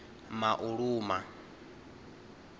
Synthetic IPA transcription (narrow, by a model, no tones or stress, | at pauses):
maʔuɺuːma